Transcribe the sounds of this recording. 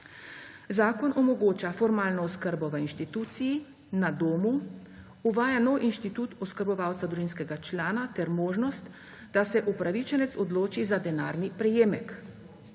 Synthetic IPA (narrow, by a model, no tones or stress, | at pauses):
zaːkɔnɔmɔɡoːt͡ʃafɔɾmaːlnɔɔskəɾbɔʋəinʃt̪it̪uːt̪siji | nad̪oːmu | uʋaːjanɔwʔinʃt̪it̪ut̪ɔskəɾbɔʋaːwt̪sad̪ɾuʒiːnskɛɡat͡ʃlaːnat̪ɛɾmoːʒnɔst̪ | d̪asɛʔupɾaʋit͡ʃɛnɛt̪sɔd̪loːt͡ʃizad̪ɛnaːɾnipɾɛjeːmɛk